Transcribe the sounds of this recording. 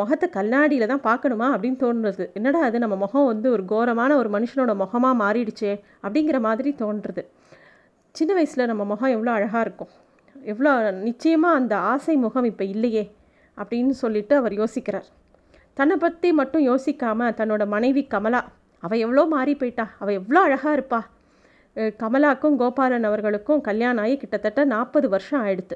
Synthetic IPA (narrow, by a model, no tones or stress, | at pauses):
mɔɣɐt̪ːɐkɐlnaːɽɪjɪlt̪ãːpaːɾkɐɳɯmaːɐpːɐɽɪnːɯt̪oːnɾɐðɯɛnːɐɽaːðɯnɐmːɐmɔɣɐ̃ʋɐnd̪ɯɔɾɯɡoːɾɐmaːnɐɔɾɯmɐnɯʂɐnoːɽɐmɔɣɐmaːmaːɾiɽɯt͡ʃːeː | ɐpːɐɽɪŋɡɪɾɐmaːðɪɾit̪oːnɾɐðɯ | t͡ʃɪnːɐʋɐɪsɪlɐnɐmːɐmɔɣɐ̃ɛʋːɐɭoːɐɻɐɣaːɪɾɯkːʊ̃ | ɛʋːɐɭoːnɪt͡ʃːɐjɐmãːɐnd̪ɐaːsɐɪmʊɣɐmɪpːɐɪlːɐjeː | ɐpːɐɽɪnːɯsɔlːɪʈːɯɐʋɐɾjoːsɪkːɪɾaːɾ | t̪ɐnːɐpːɐt̪ːimɐʈːʊ̃joːsɪkːaːmɐt̪ɐnːoːɽɐmɐnɐɪʋikːɐmɐlaː | ɐʋɐ̃ɛʋːɐɭoːmaːɾipoːjɪʈːãːɐʋɐɛʋːɐɭoːɐɻɐɣaːɪɾɯpːãː | kɐmɐlaːkːɯ̃ɡoːpaːɾɐnɐʋɐɾɣɐɭɯkːʊ̃kɐljaːnaːjekɪʈːɐt̪ːɐʈːɐnaːpːɐðɯʋɐɾʂɐ̃aːɪɽɯt̪ːɯ